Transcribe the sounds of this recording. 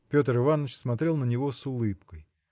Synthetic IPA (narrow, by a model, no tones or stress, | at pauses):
pʲo̞t̪əɾɨvanət͡ɕsmɐt̪ɾʲe̞lˠnənʲɪvo̞sʊlˠɨpkəj